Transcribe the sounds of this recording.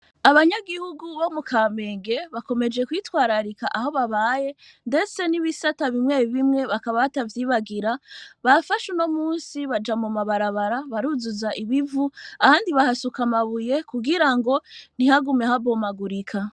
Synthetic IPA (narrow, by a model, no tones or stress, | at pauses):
aβaɲaɡihuɡuβomukame̞ːŋɡe̞βako̞me̞d͡ʒe̞kwiːtwaːɾaɾikaʔaho̞βaβaje̞ | nde̞t͡se̞niβisataβimŋeːβiβimŋe̞βakaβaβatavjiːβaɡiɾaβafaʃuno̞muːnsiβad͡ʒamumaβaɾaβaɾaβaɾuzuzaʔiβivuahaːndiβahasukamaβuje̞kuɡiɾaŋɡo̞n̥ihaɡumje̞haβo̞maɡuɾikʰa